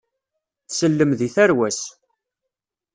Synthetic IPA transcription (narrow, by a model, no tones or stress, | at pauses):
θsəlːəmðiθæɾwæs